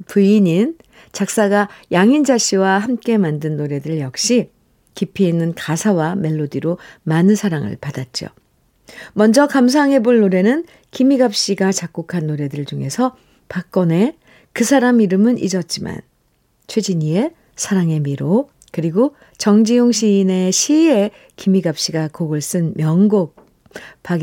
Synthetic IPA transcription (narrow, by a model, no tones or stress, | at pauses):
puiɲin | t͡ɕak̚s͈aɡajaŋind͡ʑaɕ͈ʰiwahamk͈e̞mandɯnːoɾe̞dɯɭjʌk̚ɕ͈i | kipʰiinːɯnkasʰawame̞ɭːodiɾomanɯnsʰaɾaŋɯ̰ɭpadat̚t͡ɕ͈jo̰ | mʌnd͡ʑʌkams̬ʰaŋe̞boɭnoɾe̞nɯn | kimiɡap̚ɕ͈iɡat͡ɕak̚k͈ukʰanːoɾe̞dɯɭd͡ʑuŋe̞sʰʌ | pak̚k͈ʌne̞ | kɯsʰaɾamiɾɯmɯnḭd͡ʑʌt̚t͡ɕ͈ima̰n | t͡ɕʰwe̞d͡ʑiɲie̞ | sʰaɾaŋe̞miɾo | kɯɾiɡo | t͡ɕʌŋd͡ʑijoŋɕʰine̞ɕʰie̞ | kimiɡap̚ɕ͈iɡakoɡɯɭs͈ɯnmjʌŋɡok̚ | p͈aɡ